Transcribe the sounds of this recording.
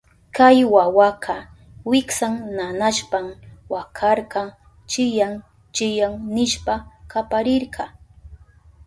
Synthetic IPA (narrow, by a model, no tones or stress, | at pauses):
kajwawaqʰɑ | wɪksaŋnanaʃpamwakʰɑɾɢɑ | t͡ʃɪjaŋ | t͡ʃɪjaŋnɪʃpakapaɾɪɾɢɑ